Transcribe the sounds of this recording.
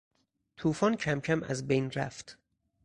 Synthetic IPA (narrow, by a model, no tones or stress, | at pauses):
t̪ʰuːfɒːncʰæmcʰæmæ̰zbejnɾæ̰ft̪